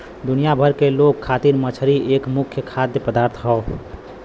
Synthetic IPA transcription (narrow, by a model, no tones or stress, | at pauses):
d̪unijabʱəɾkelokʰːat̪iɾmət͡ʃʰɾiʔekmukʰjəkʰad̪jəpəd̪aɾt̪ʰɦɔʊ